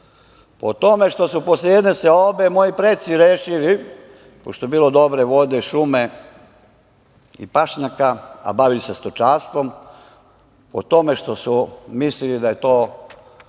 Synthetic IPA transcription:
pot̪o̞me̞ʃt̪o̞suposlejed̪neseobe̞mo̞jipɾet̪siɾeːʃili | po̰ʃt̪ojebiːlod̪o̞bɾe̞ʋo̞d̪e̞ʃume̞ | ḭpaʃɲakaa̰baʋilisest̪ot͡ʃaːst̪ʋo̞m | po̰t̪o̞me̞ʃt̪o̞sumislilid̪aje̞t̪o̞ː

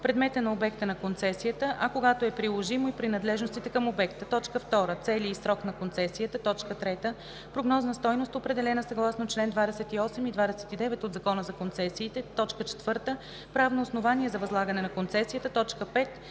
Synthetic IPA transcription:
pɾɛd̪mɛt̪ənɐobɛkt̪ənɐkont̪sɛsijət̪əʔɐkoɡat̪oɛpɾilˠoʒimoipɾinɐd̪lɛʒnost̪it̪ɛkəmobɛkt̪ət̪ɔt͡ʃkəft̪ɔɾət̪sɛliisɾɔknɐkont̪sɛsijət̪ət̪ɔt͡ʃkət̪ɾɛt̪ə | pɾoɡnɔznəst̪ɔjnost̪opɾɛd̪ɛlɛnəsɐɡlˠasnot͡ʃlɛnd̪vad̪ɛsɛt̪iɔsɛmid̪vad̪ɛsɛ̥t̪id̪ɛvɛt̪od̪zɐkɔnəzɐkont̪sɛsiːt̪ɛt̪ɔt͡ʃkət͡ʃɛ̥t̪v̥ɤɾt̪ə | pɾavnoːsnovaniɛzɐvɐzlˠaɡənɛnɐkont̪sɛsijət̪ət̪ɔt͡ʃkəpɛt̪

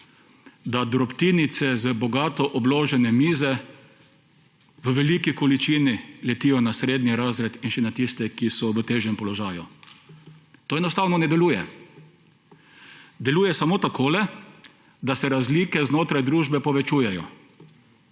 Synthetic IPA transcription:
d̪ad̪ɾɔpt̪init̪sɛzəbɔɡaːt̪ɔʔɔbloːʒɛnɛmiːzɛ | ʋəʋɛlikikɔlit͡ʃiːnilɛt̪iːjɔnasɾeːd̪niɾazɾɛt̪inʃɛnat̪ist̪ɛkisɔʋət̪eːʒɛmpɔlɔʒaːju | t̪oːɛnɔst̪aːwnɔnɛd̪ɛluːjɛ | d̪ɛluːjɛsamoːt̪akʰoːlɛ | d̪asɛɾazliːkɛznoːt̪ɾajd̪ɾuːʒbɛpɔʋɛt͡ʃuːjɛjɔ̰

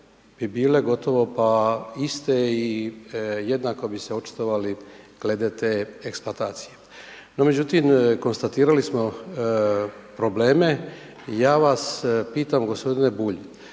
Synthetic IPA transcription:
b̥ibiːle̞ɡo̞t̪o̞ʋo̞paist̪ei | je̞d̪naːko̞biseot͡ʃe̥t̪oʋaliɡ̥le̞d̪et̪eːeksplat̪aːt̪si̥je | no̞me̞d͡ʑut̪imko̞nst̪at̪iːɾalismo̞ | pɾo̞ble̞ːme̞ | jaːʋaspiːt̪amɡo̞spo̞d̪ine̞buʎi

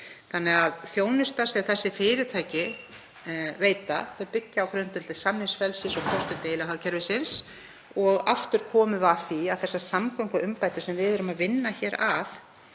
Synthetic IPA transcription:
θanːɛɣaðθjoːwnʏst̪asɛɣθɛsːɪfɪːɾɪt̪ʰaːjcɪ | veːjt̪aθœjpɪcːaawkɾœnt̪ʏlt̪ɪsamnɪŋsfɛlsɪnsɔkʰɔst̪ʏt̪ejlaɦacʰɛɾvɪsɪns | ɔɣa̰ft̪ʏɾ̥kʰɔːmʏvaθiaðθɛsːasamkawŋkaʏmpaːjt̪ɪ̥sɛmvɪðɛɾʏmaðvɪnːaçɛːɾaθ

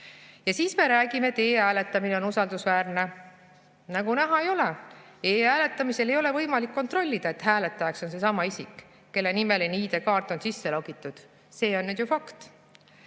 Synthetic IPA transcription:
jɑsiːsme̞ɾæːɡ̥imeet̪eːæːle̞t̪ːˑɑmine̞o̞nusɑld̪usvæːrne̞ | nɑɡunæɦɑe̞jo̞le | eːæːle̞t̪ːˑɑmise̞le̞jo̞le̞vɤjmɑlikːo̞nt̪ro̞lʲːid̪̥ɑe̞t̪ɦæːle̞t̪ːˑɑjɑkso̞nse̞sɑmɑisik | kːe̞lːe̞nime̞liniːd̪e̞kɑːrt̪ːˑo̞nsisːe̞loɡ̥it̪ːˑud̪̥ | se̞ːo̞nːyːd̪̥jufɑkt̪

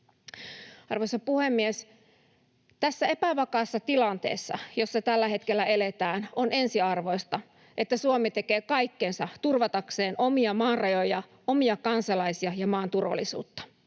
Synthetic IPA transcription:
ɑrʋojsɑpuhemːies | t̪æsːæepæʋɑkɑːsːɑt̪ilɑnt̪e̞̰ːsːɑ̰jo̞sːɑt̪ælːæhe̞t̪kelːæe̞let̪æːnone̞nsiɑrʋo̞jst̪ɑ | ʔet̪ːæsuomit̪e̞ke̞ːkɑikːensɑt̪urʋɑt̪ɑkse̞ːnʔo̞miɑmɑːnrɑjo̞jɑ | omiɑkɑnsɑlɑisiɑjɑmɑːnt̪urʋɑ̰lːisṵːt̪ːɑ̥

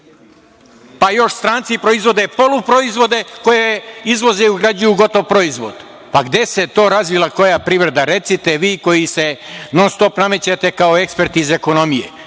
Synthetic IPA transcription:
pajo̞ʃst̪ɾaːnt̪sipɾo̞izʋo̞d̪e̞po̞lupɾo̞izʋo̞d̪e̞ko̞jeizʋo̞zeuɡɾad͡ʑujuɡo̞t̪o̞ʋpɾo̞izʋo̞̰d̪̥ | paɡd̪ese̞t̪o̞ːɾazʋilako̞japɾiʋɾed̪aɾe̞t̪sit̪eʋiːko̞jise̞nonst̪o̞pnamet͡ɕat̪e̞kaoekspeɾt̪iizeko̞no̞mijḛ

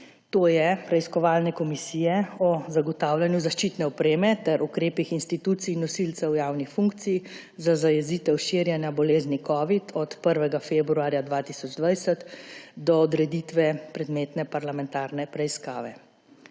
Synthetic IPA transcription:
t̪oːjɛpɾɛiskɔʋaːlnɛkɔmisiːjɛɔzaɡɔt̪aːwlanjuzaʃt͡ʃit̪nɛɔpɾeːmɛt̪ɛɾʔukɾeːpixinst̪it̪uːt̪sinɔsilt̪sɛwjaːwnixfuŋkt̪sij | zazajɛziːt̪ɛwʃiɾjɛnjabɔleːznikɔːʋit̪ʰɔt̪pəɾʋɛɡafeːbɾuaːɾjad̪ʋaːt̪isɔd͡ʒd̪ʋajsət̪d̪ɔːd̪ɾɛd̪iːt̪ʋɛpɾɛd̪meːt̪nɛpaɾlamɛnt̪aːɾnɛpɾɛiskaːʋɛ̰

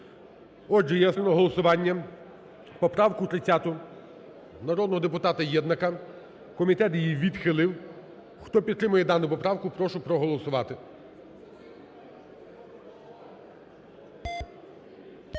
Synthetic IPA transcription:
ɔʒɛjɛsenɔɦɔlˠɔsʊʋɑnʲːɐ | pɔpɾɑwkʊt̪ɾɪt͡sʲːat̪ʊ | nɐɾɔd̪nɔɦɔd̪epʊt̪ɑt̪ɐjɛd̪nɐkɐ | kɔmʲit̪ɛt̪jijiʋʲid̪xɪlˠɪw | xt̪ɔpʲid̪t̪ːɾɪmʊjɛd̪ɑnʊpɔpɾɑwkʊpɾɔʃʊpɾɔɦɔlˠɔsʊʋɑt̪ɪ

